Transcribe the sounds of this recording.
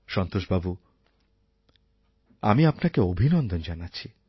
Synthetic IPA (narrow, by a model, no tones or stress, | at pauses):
ʃɔnt̪oʃbabu | a̰miapnakeobʱinond̪ond͡ʑanaːt͡ɕʰi